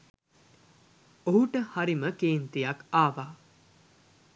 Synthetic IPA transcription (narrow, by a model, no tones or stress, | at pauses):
oɦuʈəhaɾiməkeːnt̪ijakaːʋaː